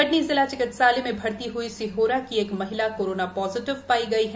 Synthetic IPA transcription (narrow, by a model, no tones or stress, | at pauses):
pɐʈnizɪlaːt͡ʃɪkət̪saːlemẽbʱɐɽt̪iɦuisɪɦoːɾakieːkmɐɦɪlakoːɾoːnapɔːzɪʈɪʋpaːiɡɐiɦɛ